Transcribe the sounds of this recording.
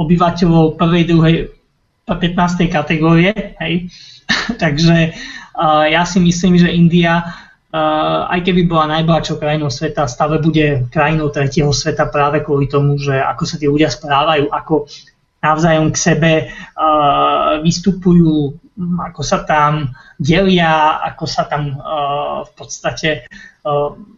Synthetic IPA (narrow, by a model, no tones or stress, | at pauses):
ɔbiʋacɛlɔʊpr̩ʋɛjd̪ɾuɦɛj | pɛt̪naːst̪ɛjkat̪ɛɡɔːɾiɛɦɛj | t̪aɡʒɛ | jasimisliːmʒɛʔind̪ia | a̰jkɛbibɔlanajbl̩ɦat͡ʃjɔʊkɾajinɔʊsʋɛt̪ast̪aːlɛbuɟɛkɾajinɔʊt̪ɾɛcɛɦɔsʋɛt̪apɾaːʋɛkʊɔlit̪ɔmuʒɛa̰kɔsat̪iɛluɟɪaspɾaːʋajuːʔakɔ | naʊzaːjɔmksɛbɛ | ʋist̪upujuː | akɔsat̪amɟɛlɪaa̰kɔsat̪am | fpɔt̪st̪acɛ